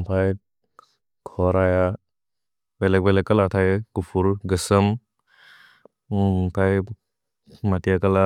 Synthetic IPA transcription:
pʰaj | kʰɔɾaja | belek̚belekalatʰajkupʰuɾɡɯsəm | pʰaj | matijakala

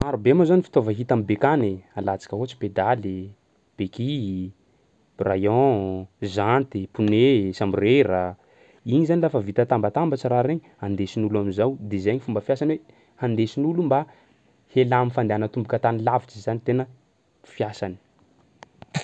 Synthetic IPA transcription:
maɾubemazanifi̥t̪ovəɦit̪ambekanealat͡si̥kʲəɦot͡si̥ped̪ale | b̥eki | rajɔ̃ | zant̪epunesamirera | iɲizanilafəvit̪ət̪ambat̪ambat͡ʃəɾaɾeɲiand̪esinuluamizawd̪ezajɲifumbəfijasanwe | hand̪esinulumba | helamifand̪eanət̪umbukʲət̪anilavit͡ʃizanit̪enə | fiasani̥

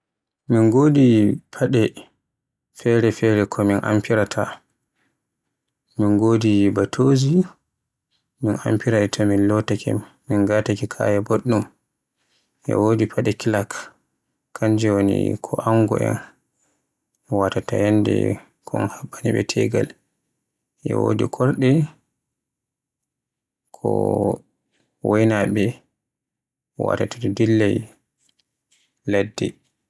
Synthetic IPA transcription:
minɡoːdipʰaɗɛ | fɛɾɛfɛɾɛkʰɔminʔa̰mpiɾatʰa | minɡoːdibatʰoːzi | mina̰mpiɾaɗɛtʰaminlɔtakɛ̰ | minɡatakikʰa̰jɛboɗːum | jɛ̰wodipʰaɗɛkilakː | aɲd͡ʒɛwonḭkʰɔʔaŋɡɔɛ̰n | watatahɛnːdɛ̰ | kʰɔnhaɓːaniɓɛtʰɛɡa̰l | ʔɛwo̰dikʰɔɾɗɛ | kʰɔ | wʔɔjnaɓɛ | wa̰tataddilːɛj | ladːɛ

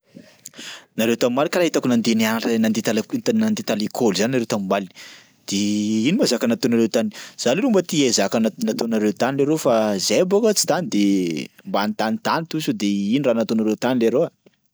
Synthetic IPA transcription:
naɾewt̪amimalikaɾaɦit̪akunand̪eniaʈ͡ʂnand̪et̪alak̪t̪anand̪et̪alikʰolzannaɾewt̪amimali | d̪̥einimazakənat̪onaɾewt̪aniz̥aluɾumbət̪iezakanat̪onaɾet̪anileɾofazebokət͡si̥t̪anid̪embanit̪anit̪anit̪usud̪einiranat̪onaɾewt̪anileɾoa

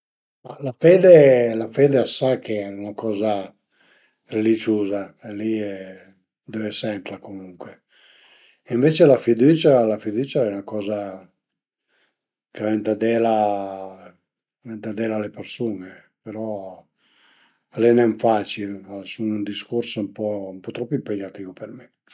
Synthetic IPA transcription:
malafɛːd̪elafeːd̪easakʰeɛunakɔːza | relit͡ʃuːzaeliɛ | d̪øesɛnt̪lakomuŋkwe | iɱvet͡ʃelafid̪uːt͡ʃalafid̪uːt͡ʃaɛunakɔːza | kavent̪ad̪ɛla | vɛnt̪ad̪ɛlalepeɾsune | peɾɔ | alɛnɛɱfat͡ʃilalsunund̪iskursmpɔumpɔt̪ɾɔpːimpeɲːat̪ivupermi

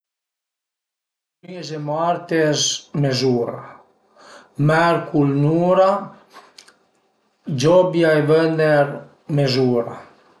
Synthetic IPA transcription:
mizemaɾt̪ezmezuːɾa̰ | mɛɾkʰulnuːɾa | d͡ʒɔbjaevənd̪eɾ | mezuːɾa̰

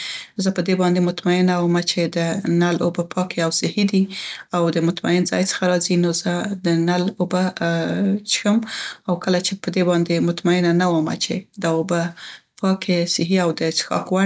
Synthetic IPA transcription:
zəpəd̪ebɑnd̪emʊt̪maɪnawəmat͡ʃed̪ənalobapʰɑkeawsɪhid̪iawd̪əmʊt̪ma̰ɪnzɑ̰jt͡sə̥xaɾɑzinozəd̪ənaloba | t͡ʃxəmawkəlat͡ʃepəd̪ebɑnd̪emʊt̪maɪnanawəma̰t͡ʃed̪aobapɑkʰesɪɦiawd̪əsxɑ̰kwa

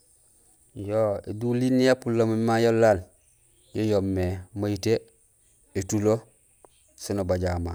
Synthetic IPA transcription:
joːḛdulinːijapulːomomajolːaːn | jojomːemajite | etulo | sinobaɟaːma̰ː

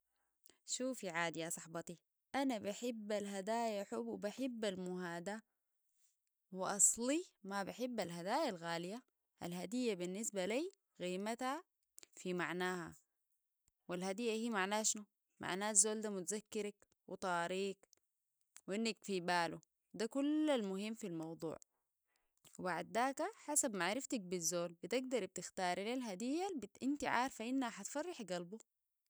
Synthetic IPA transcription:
ʃuːfiʕaːd̪jasˤɑħbɑt̪i | ʔanabaħɪbːalɦad̪aːjaħubwbaħɪbːalmuɦaːd̪a | wɪʔɑsˤlimabaħɪbːalɦad̪aːjalɣaːlija | ʔa̰lhad̪ijːabinːisbaliː | ɣiːmat̪ha | fimaʕnaːha̰ | wilhad̪ijːahiːmaʕnaːʃnu | mʔa̰ʕnaːzːoːld̪amut̪azakːɪɾak | wʔɪ̰t̪ˤɑːɾiːk | winːak̚t̪fiːbaːlu | d̪akulːalmʊhimːfilmɑwd̪ˤṵːʕ | wbaʕd̪̚ːaːkaħasabmaʕɾɪft̪ak̚bizːoːlbit̪ɪɡd̪ɑɾˤb̚t̪ɪxt̪ɑːɾˤlalɦad̪ijːabʔint̪iʕaːɾˤfaʔinːhaħat̪fɑrˤːɑħɡalbu

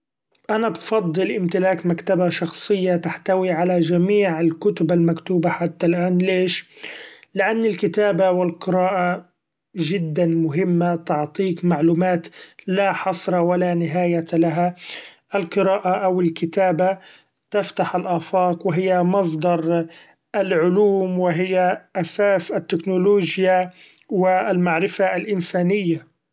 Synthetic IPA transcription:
ʔanabfɑd̪ˤːɨlʔɪmt̪ɪlaːkmakt̪abaʃɑxsˤɨjːat̪aħt̪awiʕalad͡ʒamiːʕɪlkʊt̪ʊbalmakt̪uːbaħat̪ːalʔaːnleːʃ | lɪʔanːɪlkɪt̪aːbawɪlqɨɾaːʔa | ʒɪd̪ːanmʊɦɪmːat̪ɪʕt̪ˤiːkmaʕluːmaːt̪laħɑsˤɾˤɑwalanɪɦaːjalaɦaʔalqɨɾaːʔaʔawɪlkɪt̪aːba | t̪aft̪aħalʔaːfɑːqwɪɦɪjːamɑs̬ˤd̪ɑɾˤ | ʔalʕʊluːmwɪɦɪjːaʔasaːsɪt̪ːɪknʊloːʒja | wɪalmaʕɾɪfalʔɪnsaːnɪjːa

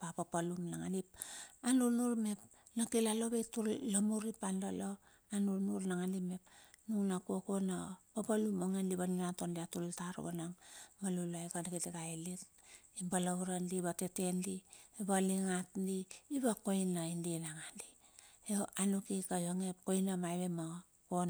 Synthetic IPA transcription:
papapalumnaŋalipanunuɾme̞p | nakilalobetullamuɾipandalo | anunuɾnaŋalime̞pnuŋnakuokonapapalumoŋenliβaninatondiatultaɾo̰ɡanaŋmalulajkadakitiɡajlit | ibalauɾandiβatetendiebaliŋatndiːβakoinːaindinaŋandi | eanukikajoŋepkojnamajβema | kon

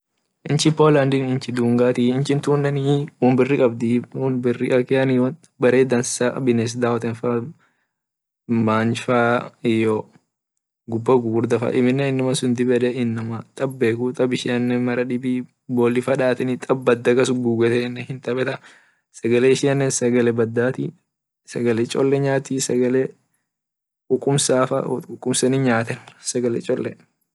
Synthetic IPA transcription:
ʔɪnt͡ʃɪpoːland̪ɪnɪnt͡ʃɪd̪uːŋɡaːt̪iɪnt͡ʃɪnt̪uːnːɛniwʊnbɪrːɪkʼɐbd̪ɪʊnbɪrːɪʔɐkːɪɐniw | bɐɾeːd̪ɐnsɐbɪnɛs̬d̪aːwɔt̪ɛnfa | maːnfaːɪjɔ | ɡʊbːɐɡuɡɾd̪ɐfɐ̰ʔɪmɪnːɛɪnːɐmɐsʊnd̪ɪbɛᶑ̪ɛɪnːɐmɐt̪ʼɐbːeːkut̪ʼɐbɪʃɪɐnːɛmɐɾɐᶑɪbi | boːlːɪfɐᶑaːt̪ɛnɪt̪ʼɐbːɐd̪ːɐkɐsʊɡuːɡɛt̪ɛnːɛhɪnt̪ɐbɛt̪ɐ | sɐɡɐlɛɪʃɪɐnːɛsɐɡɐlɛbɐd̪ːaːt̪i | sɐɡɐlɛt͡ʃʼɔ̰lːɛɲaːt̪iːsɐɡɐle | kʼʊkʼːʊmsaːfɐ̰ʊkʼːʊmsɐnɪɲaːt̪ɛnsɐɡɐlɛ̰t͡ʃʼɔlːɛ

